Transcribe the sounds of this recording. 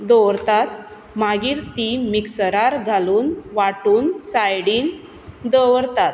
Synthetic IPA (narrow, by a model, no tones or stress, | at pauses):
d̪ɔwɾt̪at̪̚ | maɡiːɾt̪imiksəɾaɾɡʱaluːnʋaʈuːnsajɽiːŋɡ | d̪əʋəɾt̪at̪̚